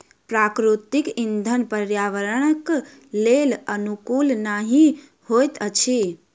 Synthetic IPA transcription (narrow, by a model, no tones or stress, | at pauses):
pɾakɾut̪ikind̪ʱənpəɾjaʋəɾəɽ̃ək | lelənukulnaɦĩ | hojt̪ət͡ʃʰi